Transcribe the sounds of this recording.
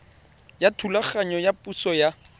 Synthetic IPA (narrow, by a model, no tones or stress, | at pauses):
jatʰulaχaɲɔjapusɔja